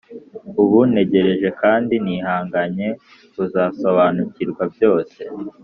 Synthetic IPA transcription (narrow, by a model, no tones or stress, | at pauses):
uβune̞ɟe̞ɾe̞ʒe̞kaːndiniːhaːŋɡaɲe̞ | uzaːso̞βanuciɾɡwabjo̞ːse̞